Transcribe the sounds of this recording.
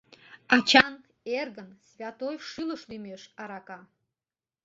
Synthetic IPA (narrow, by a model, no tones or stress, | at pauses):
ɑt͡ɕɑn | erɣənsvʲat̪ojʃɨləʃlymeʃɑɾɑkɑ